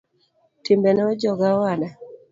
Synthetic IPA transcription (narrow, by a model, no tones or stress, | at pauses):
timbɛnɔd͡ʒɔɡawana